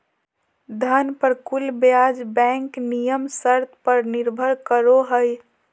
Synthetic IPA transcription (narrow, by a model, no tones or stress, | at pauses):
d̪ʱənpəɾkulbjad͡ʒbɛ̃ŋknijəmsəɾt̪̚ʰpəɾniɾbʱəɾkəɾoɦəj